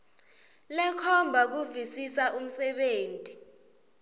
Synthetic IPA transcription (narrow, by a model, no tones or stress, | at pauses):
lɛkʰɔmbʱak̬uvisisaʔum̩sɛɓeːntʼi